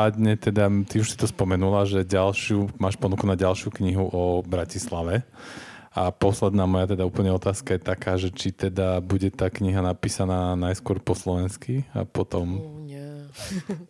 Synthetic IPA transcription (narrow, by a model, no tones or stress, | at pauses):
ad̪ɲɛt̪ɛd̪at̪iuʃsi̥t̪ɔspɔmɛnulaʒɛɟalʃɪumaːʃpɔnukunaɟalʃɪukɲiɦuʔɔbɾacislaʋɛ | apɔslɛd̪naːmɔjat̪ɛd̪auːpl̩ɲɛɔt̪aːskajɛt̪akaːʒɛt͡ʃit̪ɛd̪abuɟɛt̪aːkɲiɦanapiːsanaːnajskʊɔɾpɔslɔʋɛnskia̰pɔt̪ɔm